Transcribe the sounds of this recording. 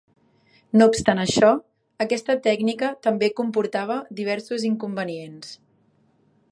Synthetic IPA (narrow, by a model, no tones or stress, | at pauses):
noupst̪anəʃɔ | əkɛst̪ət̪ɛɡnikət̪əmbekumpuɾt̪aβ̞əd̪iβ̞ɛɾsuziŋkumbəniens